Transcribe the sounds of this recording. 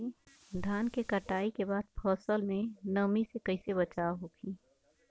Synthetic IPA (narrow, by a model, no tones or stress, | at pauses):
d̪ʱaːnkekɐʈaːikebaːd̪̚pʰɔːsəlmẽnɐmisekɐɪsebɐt͡ʃaːɦokʰiː